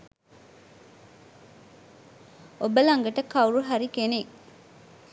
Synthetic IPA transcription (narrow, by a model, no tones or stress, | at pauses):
obəlɐŋɡɐʈɐkːɐuɾuɦaɾikene